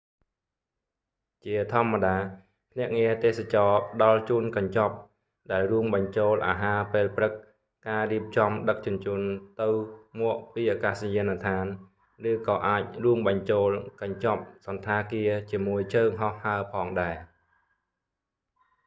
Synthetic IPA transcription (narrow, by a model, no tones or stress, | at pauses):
t͡ɕiət̪ʰŏəmːaɗaː | pʰnɛ̆əʔŋiət̪eːhsat͡ɕɑːɗɑlt͡ɕuːənkɑɲt͡ɕɑp̚ | ɗaɛlruəmɓɑɲt͡ɕoːlʔa̰ːɦaːpeːlprɨk̚ | kaːriəp̚t͡ɕɑmɗək̚t͡ɕʊ̆ənt͡ɕuənt̪ɨwmʊ̆əʔpiːʔakaːsjiənat̪ʰaːn | rɨːkɑːʔaːc̚ruəmɓɑɲt͡ɕoːlkɑɲt͡ɕɑp̚sɑnt̪ʰaːkiət͡ɕiəmuəjt͡ɕʰəːŋɦɑhːaəpʰɑːŋɗaɛ